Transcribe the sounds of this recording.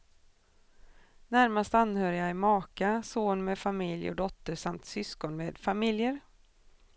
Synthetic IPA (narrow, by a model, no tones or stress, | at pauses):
næɾmast̪anːhœːɾɪjaɪmɑːkasoːnmeːfamɪljɔ̰d̪ɔt̪ːəʂamt̪sʏskɔnmeːd̪famɪljəɾ